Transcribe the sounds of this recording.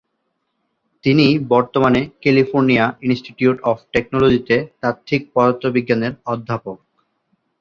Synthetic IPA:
t̪inibɔɾt̪omanekelifoɾniaʔinsʈiʈjuʈɔfʈek̚nolod͡ʑit̪et̪at̪ʰːik̚pɔd̪ot̪ːobiɡːaneɾɔd̪ʱːapok̚

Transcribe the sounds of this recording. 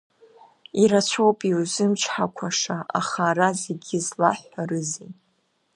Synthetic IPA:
iɾat͡ɕʷʰo̞wpʼiwzɨmt͡ʃʰħakʷʰaʂaʔa̰χaɾazeɡʲizlaħʷarɨzitʼ

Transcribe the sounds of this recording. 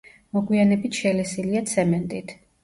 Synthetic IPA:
mɔɡwianɛbit̪ʰʃɛlɛsiliat̪sʰɛmɛnt̪ʼit̪ʰ

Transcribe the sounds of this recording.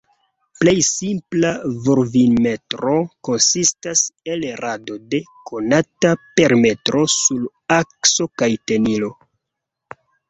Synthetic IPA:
ple̞jsimplavoɾvinme̞tɾoko̞nsistase̞lɾʔado̞de̞ | kʰo̞natape̞ɾme̞tɾo̞sul | akso̞kajte̞nilo̞

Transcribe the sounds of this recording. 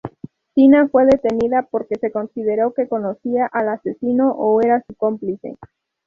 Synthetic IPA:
sinafwe̞ðe̞t̪e̞niðapo̞ɾke̞se̞ko̞nsiðe̞ɾo̞ke̞ko̞no̞siaʔalase̞sino̞ʔoe̞ɾasuko̞mplise̞̰

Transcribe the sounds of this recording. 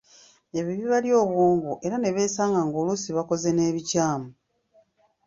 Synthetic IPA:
e̞βiβiβaljo̞ːβwuːmɡuʔe̞ɾane̞βeːsaːŋɡaŋɡolusiβako̞ze̞ne̞ːβicaːmu

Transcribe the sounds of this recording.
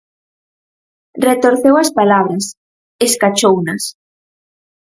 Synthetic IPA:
ret̪oɾθewɐspalaβɾɐs | eskat͡ʃownɐs

